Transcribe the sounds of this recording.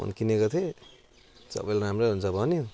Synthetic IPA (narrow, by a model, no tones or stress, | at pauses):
ʌ̰nkinekʌt̪ʰe | sʌ̰bʌjlnamɾʌɦunt͡sʰʌbʱʌni